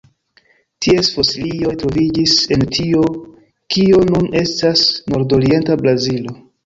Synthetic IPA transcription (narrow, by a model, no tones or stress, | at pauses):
tiesfosilijo̞jtɾo̞vid͡ʒise̞ntʰio̞ | kio̞nunʔe̞stasno̞ɾdo̞ɾie̞ntabɾazilo̞